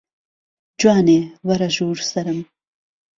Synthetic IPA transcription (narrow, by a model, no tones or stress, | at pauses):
d͡ʒwɑːnewɐɾaʒuːɾsɐɾəm